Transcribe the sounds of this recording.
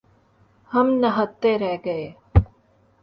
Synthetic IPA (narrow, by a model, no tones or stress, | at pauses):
hɐmnɐɦət̪ːeɾɛɦɡɐeː